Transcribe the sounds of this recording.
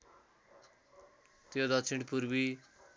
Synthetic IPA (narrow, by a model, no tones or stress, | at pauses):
t̪jod̪ʌsʰiɳɽɖpuɾbi